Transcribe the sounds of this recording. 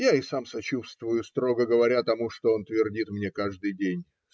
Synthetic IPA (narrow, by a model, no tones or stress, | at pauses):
jaɪsamsɐt͡ɕust̪vʊjʊst̪ɾo̞ɡəɡəvɐɾʲat̪ɐmuʂt̪o̞o̞nt̪vʲɪrdʲit̪mnʲe̞kaʐd̪ɨjdʲenʲ